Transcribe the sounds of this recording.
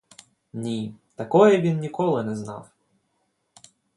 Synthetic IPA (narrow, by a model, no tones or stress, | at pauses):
nʲit̪ɐkɔjɛʋʲinːʲikɔlˠɪnɛznɑ̰w